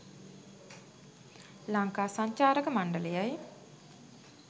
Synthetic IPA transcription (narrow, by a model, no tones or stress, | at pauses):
laŋkaːsaɲt͡ʃaːɾəkəmaɳɖələjaj